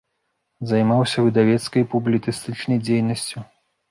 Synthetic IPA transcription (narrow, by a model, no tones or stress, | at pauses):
zɐjmawsʲɐvɨd̪avʲɛt̪skɐjpublʲit̪sɨst̪ɨt͡ʂnɐjd͡zʲejnɐsʲt͡sʲu